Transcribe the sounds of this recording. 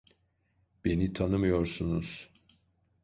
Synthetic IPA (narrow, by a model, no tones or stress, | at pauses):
b̥e̞nit̪ʰanɯmɯjo̞ɾsunuz̥